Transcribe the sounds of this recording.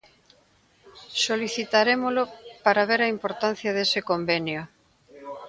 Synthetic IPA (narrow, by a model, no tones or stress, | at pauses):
soliθit̪aɾemolopaɾaβ̞eɾaimpoɾt̪an̟θjaðesɪkombenjo